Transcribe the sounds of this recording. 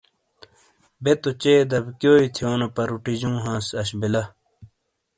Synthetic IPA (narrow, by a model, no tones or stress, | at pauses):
bet̪ot͡ɕeːd̪ɐbkjoːit̪ʰjoːnɐpɐɾuʈid͡ʑũːɦãːsɐɕbilɐ